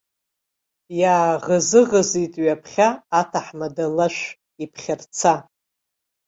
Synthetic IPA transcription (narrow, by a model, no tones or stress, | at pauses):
jaːʁəzɨʁəzitʼɥapʰχʲaːtʰaħmadalaʃʷ | ipʰχʲart͡sʰa